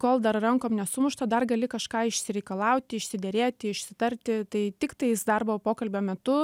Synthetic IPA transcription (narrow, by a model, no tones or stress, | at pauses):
koːlˠd̪ɐrrɐŋkoːmnʲɛsʊmʊʃt̪ɐd̪ɐrɡɐlʲɪkɐʃkɑːɪʃʲsʲɪɾʲɛɪkɐlˠɑʊt̪ʲɪɪʃʲsʲɪd̪ʲɛɾʲeːt̪ʲɪɪʃʲsʲɪt̪ɐɾʲt̪ʲɪt̪ɐɪt̪ʲɪkt̪ɐɪsd̪ɐrbopoːkɐlʲbʲoːmʲɛt̪ʊ